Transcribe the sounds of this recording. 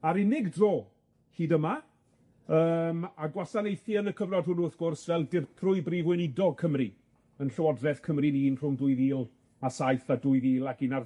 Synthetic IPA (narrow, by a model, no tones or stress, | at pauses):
aɾɪnɪɡdroː | hiːdəma | əːmaɡwasanejθiənəkʰəvnɔd̚hʊnʊrθɡ̥ʊrsvɛlˠdɪrpʰrʊɨbrivwɪnɪdɔkʰəmri | ənɬəwɔdrɛθkʰəmriniːnr̥ʊmdʊɨðiːlˠ | asajθadʊɨðiːlˠakɪnar